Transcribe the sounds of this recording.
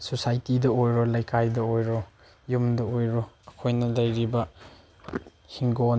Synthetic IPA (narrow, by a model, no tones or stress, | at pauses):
sosajtidɐojɾolɐjkʰajdɐojɾo | jumdɐojɾoɐkʰojnɐlɐjɾibɐ | hiŋɡon